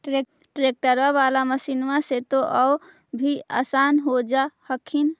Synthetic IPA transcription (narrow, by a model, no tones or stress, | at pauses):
ʈe | ʈɾek̚ʈəɾwaβalaməsinmaset̪oʔəw | bʱia̰sanɦod͡ʒahəkʰin